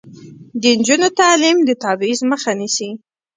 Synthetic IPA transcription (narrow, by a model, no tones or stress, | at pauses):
d̪ənd͡ʒunot̪ɑlimd̪ət̪ɑbɪizməxanisi